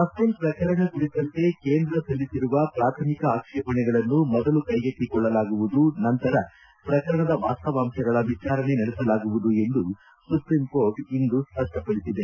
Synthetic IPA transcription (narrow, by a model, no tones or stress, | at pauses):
ɐst̪ɐlpɾɐkɐɾɐɳɐkuɽit̪ɐnt̪e̞keːnd̪ɾɐsɐlːisiɾuʋɐpɾaːt̪ʰɐmikɐaːkʂɐpɐɳɛɡɐɭɐnːumɔd̪ɐlukɐjɡet̪ːikɔɭːɐlaːɡuʋud̪unɐnt̪ɐɾɐ | pɾɐkɐɾɐɳɐd̪ɐʋa̰ːst̪ɐʋaːmʃɐɡɐɭɐʋit͡ʃaːɾɐne̞nɐɽɛsɐlaːɡuʋud̪ue̞nd̪u | supɾimkoːɾʈind̪uspɐʂʈɐpɐɽisid̪e